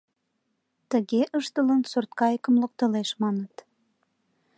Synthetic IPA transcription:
t̪əɣeʔəʃt̪ələnsort̪̚kɑjəkəmlok̚t̪əleʃmɑnət̪

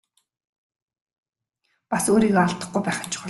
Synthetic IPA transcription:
pasoːɾiːɣɔaɮt̪ə̆χɡujpæːχə̥̆t͡ɕʰɪ̥χʊ

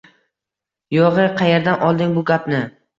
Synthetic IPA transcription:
jɒʁɨqʰɑjeɾd̪anʔɒlˠd̪ɪŋbʊɡʲapnɪ

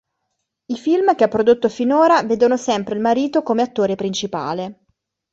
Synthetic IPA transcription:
ifilmkeapːɾod̪ot̪ːofinoːɾaveːd̪onosɛmpɾeilmaɾiːt̪okomeat̪ːoːɾepɾint͡ʃipa̰ːle

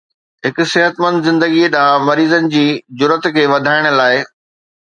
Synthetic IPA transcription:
ɦɪkʊ̆sɪɦət̪mɐ̃nd̪zɪ̃nd̪əɡiɗamɐɾiːzənɪ̆d͡ʑiːd͡ʑʊɾət̪kʰeːʋɐd̪ʱaːɪɽ̃ʊ̆laːɪ

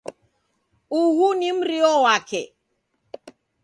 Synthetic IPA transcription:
uhunim̩ɾiɔwakʰɛ

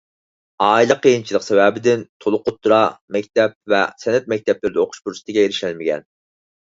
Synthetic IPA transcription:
ɑːilˠɨqʰəjint͡ʃʰilˠəqsɛvɛbɪd̪ɪnt̪ʰolˠʊqʰʊt̪ːɾɑmɛkʲt̪ɛp̚vɛ̰sɛnɛt̪̚mɛk̚ʲt̪ʰɛplɪɾɪd̪ɪoqʰʊ̥ʃpuɾsɨ̥t̪ʰɪɡʲɛeɾɪʃælmɪɡʲɛ̰n

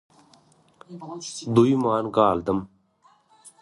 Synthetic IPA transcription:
d̪uimaːnkaːld̪əm

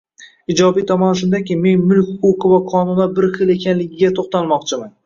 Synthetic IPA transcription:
ɪd͡ʒɒbijt̪ʰɒmɒnʃʊnd̪akʲɪme̞nmʊlˠkʲoqʰɨvaqʰɒnʊnabɪɾχɨle̞kʲʰanlɪɡʲɪɡʲat̪ʰoχt̪alˠmɒqt͡ʃʰɪman

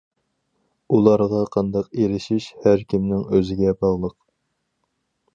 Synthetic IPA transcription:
ulˠɑɾʁɑqʰɑnd̪ɑqeɾɪʃiʃhæɾkʲʰimnɪŋøzɪɡʲɛbɑʁlˠəq

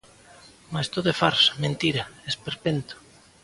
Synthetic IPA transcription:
mast̪oðefaɾsmẽnt̪iɾaespeɾpent̪ʊ̥

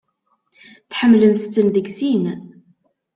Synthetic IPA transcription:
θħəmːləmθt͡sːənðəɡsin

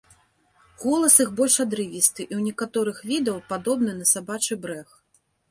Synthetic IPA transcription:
ɣɔlˠɐsɨxbɔlʲʂad̪ɾɨvʲist̪ɨʔiwnʲɛkat̪ɔɾɨxvʲid̪ɐwpad̪ɔbnɨnɐsabat͡ʂɨbɾɛx

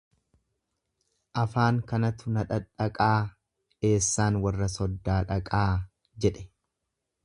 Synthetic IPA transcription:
ʔɐfaːŋkɐnɐt̪ʊnɐᶑɐᶑɐkʼaː | e̞ːsːaːnwɐrːɐsɔd̪ːaːᶑɐkʼaː | d͡ʒɛᶑɛ̥

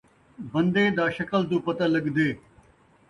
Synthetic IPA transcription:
bə̃nd̪eːd̪aːʃəkəld̪uːpət̪aːləɡd̪eː

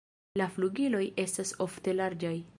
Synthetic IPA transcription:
lafluɡilo̞je̞staso̞fte̞laɾd͡ʒaj

